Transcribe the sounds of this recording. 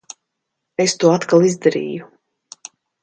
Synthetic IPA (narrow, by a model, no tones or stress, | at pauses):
est̪uɔat̪kalˠizd̪aɾḭːju